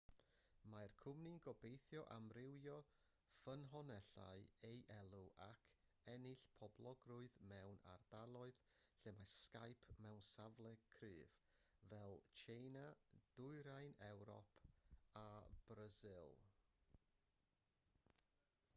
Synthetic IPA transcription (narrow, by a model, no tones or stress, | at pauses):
majrkʰʊmniɡɔbejθjɔʔamrɪwjɔ | fənɦɔnɛɬa̰ɨejʔɛlˠuʔakʰ | ɛnɪɬpʰɔblˠɔɡrʊɨðmɛwna̰rd̥alˠɔɨðɬɛmaskajpʰmɛwnsavlˠɛ̥kʰrɨːvvɛlˠt͡ʃʰenad̥ʊɨɾajnɛwɾɔ̰pʰab̥razɪlˠ